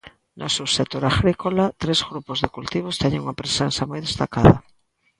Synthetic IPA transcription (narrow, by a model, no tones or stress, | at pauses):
nosuwsek̚t̪oɾaɣɾikolat̪ɾezɣɾupozðekult̪iβ̞ost̪ɛɲeŋuŋapɾesensamojðest̪akaðɐ̰